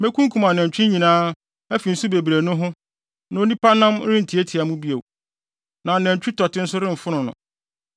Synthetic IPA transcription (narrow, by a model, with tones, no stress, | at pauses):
mɛ̃˦kʰũ˦ŋ˦kʰũ˨mã˨nɛ̃˨ɲ˨t͡ɕᶣɪ˦ɲĩ˨nãː˦ | ɛ˦fi˨n̩˦su˦be˨bɾe˨nʊ̃˦ɦʊ̃˦ | nã˨o˦nĩ˦pʰa˦nã˦m˦ɾɪ̃˦n̩˨tʰi˨e˦tʰi˨a˨mũ˦bi˦e˨w | nã˨nɛ̃˨ɲ˨t͡ɕᶣʰu˦tʰɔ˨tɪ̃˦n̩˦sʊ˦ɾɪ̃˦m̩˨fʊ˦nʊ̃˨nʊ̰̃˨